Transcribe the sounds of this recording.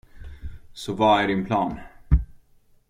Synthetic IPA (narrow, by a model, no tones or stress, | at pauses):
sɔvɑæɖɪnpʰlɑːn